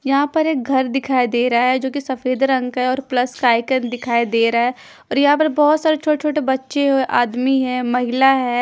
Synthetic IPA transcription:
jɐɦãpɐɾeːk̚ɡʱɐɾd̪ɪkʰaːed̪eːɾaaɦɛd͡ʒoːkisɐfeːd̪ɾɐ̃ŋɡɦɛɔːɾplɐskaːɪkə̃nd̪ɪkʰaːed̪eːɾaaɦɛ | ɔːɾjɐɦãpɐɾbɔːt̪saːɾet͡ʃʰoːʈt͡ʃʰoːʈebɐtːʃeɦoʔaːd̪miɦɛ̃ːmɐɦɪlaɦɛː

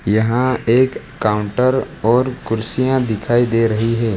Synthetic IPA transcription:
jɐɦãeːkː | aːʊ̃ɳʈəɾ | ɔːɾkʊɾsijãd̪ɪkʰaːid̪eɾɐɦiɦɛː

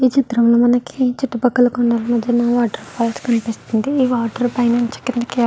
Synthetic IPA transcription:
iːt͡ʃit̪ɾɐmloːmɐnɐkʰit͡ʃiʈːupɐkːɐlɐkuɳɖaːlmɐd̪ʱjɐnaːʋaːʈɐɾpʰaːlskɐnipist̪und̪iiːʋaːʈɐɾpɐjnɐnt͡ʃe̥kːind̪ɐke

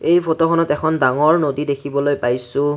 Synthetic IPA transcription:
ejpʰotɔxʰɔnɔtɛkʰɔndaŋɔɹnodidekʰibɔlojpajsʊ̃

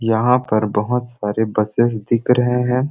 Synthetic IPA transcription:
jɐɦãpɐɾbɐɦʊt̪saːɾebɐsesd̪ɪkɾɐɦeɦɛ̃ː

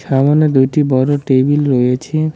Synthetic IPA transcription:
ʃamoned̪ujʈibɔɾoʈebilɾojet͡ɕʰe

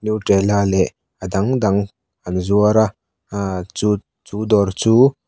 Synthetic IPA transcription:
njuʈɾelalɛ | ad̪aŋd̪aŋ | anzuaɾa | u | t͡ʃud̪ɔɾt͡su

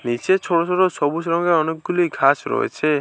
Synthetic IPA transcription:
nit͡ʃet͡ʃʰoɽot͡ʃʰoɽosɔbusɾɔŋɡeɔnek̚ɡulikʰasɾɔ̰ɦḛt͡ʃʰe

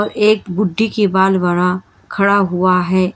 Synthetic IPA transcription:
ɔɾʔeːkbʊɖʱːikibaːlʋaːɾa | kʰɐɽaɦuaɦɛː

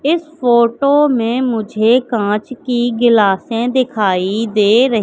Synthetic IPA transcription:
ɪspoːʈoːmẽːmʊd͡ʒʱeːkãːt͡ʃkiɡɪlaːsẽːd̪ɪkʰaːid̪eːɾəɦ

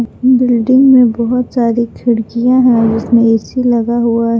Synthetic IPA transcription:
bɪlɖɪ̃ŋɡmẽbɐɦʊt̪saːɾikʰɪɽkijãɦɛ̃d͡ʒɪsmẽɛsilɐɡaɦuaɦɛ

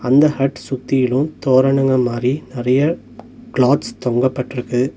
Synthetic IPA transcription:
ɐnd̪ɐhɐʈsʊt̪ːɪjɪlɯ̃t̪oːɾɐɳɐŋɡɐmaːd̪ɾinɪɾɐjɐ | kɭaːt̪st̪ɔŋɡɐpːɐʈːɪɾɯkːɯ

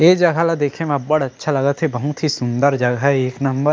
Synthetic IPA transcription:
eːd͡ʒɐɡʱalad̪eːkʰẽm̃̚bɐɽɐtːʃʰalɐɡət̪ɦebɐɦʊt̪ɦisʊnd̪əɾd͡ʒɐɡʱaɛeːknɐmbəɾ

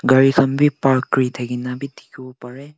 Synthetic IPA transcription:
ɡɐɾikʰɐmbipaɾkːɾit̪ʰɐɡinabitikʰupaɾe

